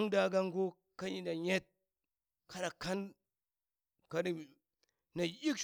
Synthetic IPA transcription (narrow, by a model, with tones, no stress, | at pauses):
ŋda˨ɡa˦ŋɡo˦ | ka˦ɲi˨da˨ɲe˦t̚ | ka˦na˨ka˦n | ka˨di˨ | na˨i˦k